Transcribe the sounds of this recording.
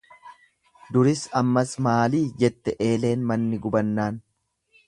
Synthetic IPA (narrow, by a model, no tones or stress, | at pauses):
d̪ʊɾɪsɐmːɐsmaːliːd͡ʒɛt̪ːɛʔe̞ːle̞ːnmɐnːɪɡʊbɐnːaːn